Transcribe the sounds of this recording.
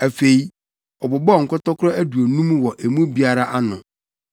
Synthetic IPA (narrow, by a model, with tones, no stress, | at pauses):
æ˨fe˨i˦ | ɔ˨bʊ˨bɔ˦˨ŋ̩˨kʰʊ˦tɔ˦kʰʊ˦ɾɔ˦æ˦du˨o˨nũ˦mwɔ˨ʔe˨mũ˦bi˦a˦ɾa˦ʔa˦nʊ̃˨